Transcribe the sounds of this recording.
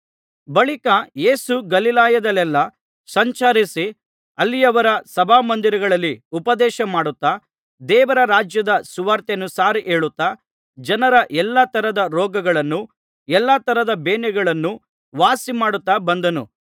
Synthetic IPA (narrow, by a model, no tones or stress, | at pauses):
bɐɭikɐjeːsuɡɐlilaːjɐd̪ɐlɛlːɐ | sɐɲt͡ʃɐɾisi | ɐlːijɐʋɐɾɐsɐbʱaːmɐnd̪iɾɐɡɐɭɐlːiupɐd̪ɛːʃɐmaːɽut̪ːa | d̪ɛːʋɐɾɐɾaːd͡ʒjɐd̪ɐsuʋaːɾt̪enusaːɾiʔeːɭut̪ːaː | d͡ʒɐnɐɾɐʔɛlːɐt̪ɐɾɐd̪ɐɾɔːɡɐɡɐɭɐnːu | ɛlːɐt̪ɐɾɐd̪ɐbeːnɛɡɐɭɐnːu | ʋaːsimaːɽut̪ːabɐnd̪ɐnṵ